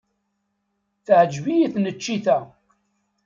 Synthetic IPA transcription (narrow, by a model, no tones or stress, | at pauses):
θʕəd͡ʒvijiθnət͡ʃːiθæ